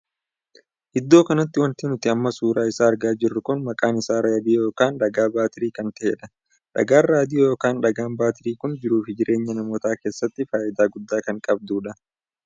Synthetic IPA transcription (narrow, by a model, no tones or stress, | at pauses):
ʔɪd̪ːo̞ːkɐnɐt̪ːɪwɐnt̪inʊt̪ɪɐmːɐsuːɾaːɪsaːɐɾɡaːd͡ʒɪrːʊkʊnmɐkʼaːnɪsaːɾaːd̪ɪjo̞ːkaːnᶑɐɡaːbaːt̪ɪɾiːkɐnt̪ɐʔḛːᶑɐ | ᶑɐ̰ɡaːnːaːd̪ɪjojo̞ːkaːnᶑɐɡaːnbaːt̪ɪɾiːkʊnd͡ʒɪɾuːfɪd͡ʒɪɾʔe̞ːɲːɐnɐmoːt̪aːke̞ːsːɐt̪ːɪfaːjʔɪd̪aːɡʊd̪ːaːkɐŋkʼɐb̚d̪uːᶑɐ